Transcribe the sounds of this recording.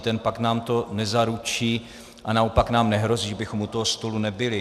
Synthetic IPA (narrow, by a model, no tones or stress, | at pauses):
t̪ɛnpaknaːmt̪o̞nɛzaɾut͡ʃiː | ʔanaopaknaːmnɛɦɾo̞ziːʒabɪxo̞mut̪oɦost̪o̞lunɛbɪlɪ